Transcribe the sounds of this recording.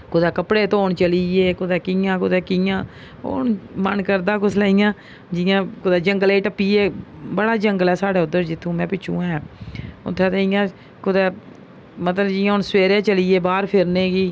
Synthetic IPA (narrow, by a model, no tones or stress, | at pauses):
kʊd̪ɛːkəpɽeːt̪oːɳt͡ʃəliːeːkʊd̪ɛːkɪjãːkʊd̪ɛːkɪjãː | o̰ːnmənkəɾd̪aːkʊsʰlaːɪjãː | d͡ʒɪjãːkʊd̪ɛːd͡ʒəŋɡəleːʈəpːiːeːbəɽaːd͡ʒəŋɡəlɛːsaːɽeːʊd̪ːəɾd͡ʒɪt̪ʰːũːmɛ̃ːpɪt͡ʃʰːṵ̃ːãːɛːʊ̰t̪ʰːɛ̃ːt̪eɪjãː | kʊd̪ɛː | mət̪ləbd͡ʒɪːãːɦʊnsweːɾeːt͡ʃəliːeːbaːɾpʰɪɾneːɡiː